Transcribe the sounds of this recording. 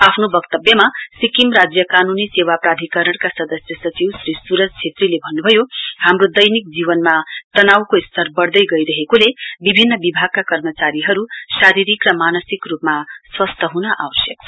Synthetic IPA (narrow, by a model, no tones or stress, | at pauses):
apʰnobʌkt̪ʌbjʌmasikimrad͡zjʌkanunisewaprad̪ʱikʌɾʌɽkasʌd̪ʌsjʌsʌt͡siwsɾisuɾʌt͡sʰet̪rilebʱʌnːubʱʌjohamrod̪ʌjnik̚d͡ziβʌnmat̪ʌnawkoist̪ʰʌrbʌɽd̪ʌjɡʌjɾʌɦekolebibʱinːʌbibʱaɡ̚kakʌrmʌt͡saɾiɦʌɾusaɾiɾikrʌmanʌsikrupmaswʌst̪ʰʌɦunʌʔa̰wʌsjʌk̚ʰ